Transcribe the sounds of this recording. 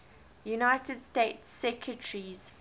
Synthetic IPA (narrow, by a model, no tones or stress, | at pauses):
junaɪtədsteɪtsːɛkʰɹətəɹiz̥